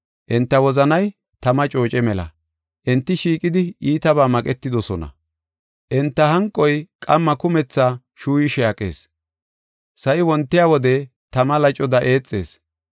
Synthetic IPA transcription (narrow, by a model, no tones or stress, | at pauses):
ʔɛnt̪ːɐwɔzɐnɐj | t̪ɐmɐt͡ʃʼo̞ːt͡ʃʼɛmɛlɐ̰ | ʔɛnt̪ːɪʃiːkʼɪd̪ɪiːt̪ɐβaːmɐkʼɛt̪ːɪd̪ɔsɔnɐ̰ | ʔɛnt̪ːɐɦɐŋkʼːɔjkʼɐmːɐkʊmɛt͡sːaː | ʃuːjɪʃɛɐkʼe̞̰ːs | sɐʔɪwɔnt̪ːɪjaːwɔd̪ɛ | t̪ɐmɐlɐt͡ʃʼɔd̪ɐʔe̞ːt͡sʼːe̞̰ːs